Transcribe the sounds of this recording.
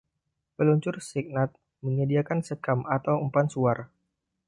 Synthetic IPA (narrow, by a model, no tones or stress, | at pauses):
pəluɲt͡ʃʊrsik̚nat̪̚ | məɲədiakansəkamat̪awumpansuar